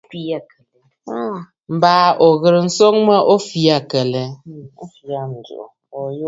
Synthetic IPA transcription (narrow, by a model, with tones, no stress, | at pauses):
fi˦a˨kə˨l | m̩˨baː˦ʔo˨ɣɨ˨ɾn̩˦so˦ŋmə˦ʔo˦fi˦a˦˨kə˨lɛ˨˦fi˨a˦n̩˨dṵ˨ʔ | o˨jo˦